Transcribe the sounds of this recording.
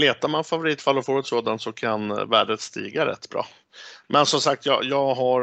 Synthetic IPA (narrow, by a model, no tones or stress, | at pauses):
leːt̪amanfavʊɾiːt̪falːɔfoːɾɛt̪soːd̪ant̪sɔkʰanvæːɖət̪st̪ḭːɡaɾɛ̰t̪ːbɾɑ̰ː | mʔɛnsɔmsak̚t̪jɑ̰jɑːɡɦa